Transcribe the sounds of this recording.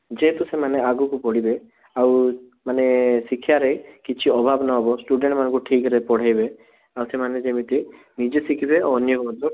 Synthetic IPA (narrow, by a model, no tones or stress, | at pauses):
d͡ʒeɦet̪usemaneaɡukupɔɽibe | aw | manesikʰːjaɾekit͡ʃʰiɔbʱabnɔɦɔbɔsʈuɖeɳʈmanɔ̃ŋkuʈʰikɾepɔɽ̤ajbe | awsemaned͡ʒemit̪i | nid͡ʒesikʰibeɔnjɔkɔɔd̪ɔ